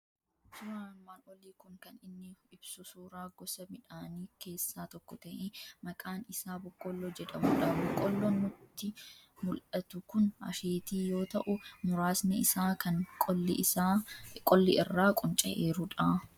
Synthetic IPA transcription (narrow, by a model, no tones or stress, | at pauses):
sʊɾaːmːaːlwɔliːkʊŋkɐnɪnːɪɪbsʊsuːɾaːɡɔsɐmɪᶑaːniːke̞ːsːaːt̪ɔkːɔt̪ɐʔemɐkʼaːnɪsaːbʊkʼːɔlːoːd͡ʒɛᶑɐmʊːᶑɐbʊkʼːɔlːonʊt̪ːɪmʊlʔɐt̪ʊkʊnɐ̰ʃeːt̪iːjo̞ːt̪ɐʔʊmʊɾaːsnɛɪsaːkɐnʼː | kʼɔlːɪɪrːaːkʼʊnt͡ʃʼɐ̰ʔeːɾʊᶑaː